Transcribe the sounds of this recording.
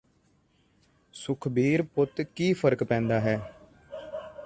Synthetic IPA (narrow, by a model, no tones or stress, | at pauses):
sʊkʰbiːɾpʊt̪kiːpʰəɾkpɛ̃ːnd̪aːɦɛː